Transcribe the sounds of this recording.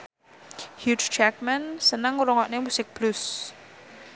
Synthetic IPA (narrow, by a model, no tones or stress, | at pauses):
hjut͡ʃt͡ʃak̚mɛnsənəŋuɾɔŋɔʔnemusɪk̚b̥lʊs